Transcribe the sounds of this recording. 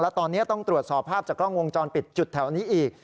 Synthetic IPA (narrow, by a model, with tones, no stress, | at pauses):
lɛ˦˥t̪ɔː˧nːi˦˥ɐt̪ɔ˥˩ŋt̪ɾu˨˩ət̪̚sɔː˨˦pʰaː˥˩p̚t͡ɕaː˨˩klɔː˥˩ŋwo˧ŋt͡ɕɔː˧npi˨˩t̪̚t͡ɕu˨˩t̪ʰːɛ˩˦wniː˦˥ʔiː˨˩k̚